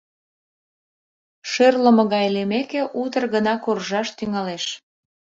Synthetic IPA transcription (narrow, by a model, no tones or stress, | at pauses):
ʃørləmɤ̆ɣɑjlemekeʔut̪ərɣənɑkorʒɑʃt̪yŋɑleʃ